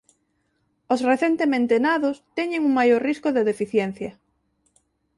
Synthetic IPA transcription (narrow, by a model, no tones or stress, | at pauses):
osreθent̪emẽnt̪enaðost̪ɛɲeŋuŋmajoɾriskoðeðefiθjɛn̟θjɐ